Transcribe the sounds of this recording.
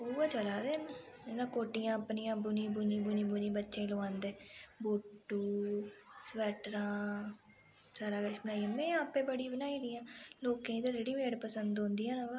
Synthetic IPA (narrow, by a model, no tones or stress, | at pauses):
oːʋat͡ʃəlaːd̪eːn | nãːkoːʈɪjãːəpnijãːbʊniːbʊnĩːbʊnĩːbʊnĩːbətːʃẽːloãːnd̪eːboːʈːuː | sʋɛːʈɾãː | saːɾaːkət͡ʃbənaːiãːmɛ̃ːãːpẽːbəɽiːbənaːiːd̪ɪjãːloːkẽːĩt̪õːd͡ʒeːɽĩʋeːɽpəsənd̪ɦõnd̪ijãːnãɡa